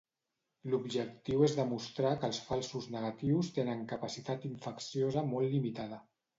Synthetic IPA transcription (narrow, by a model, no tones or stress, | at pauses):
lubʒək̚t̪iwezðəmust̪ɾakəlˠsfalˠsuznəɣat̪iwst̪enəŋkəpasit̪at̪iɱfəksijozəmɔlːimit̪að̞ə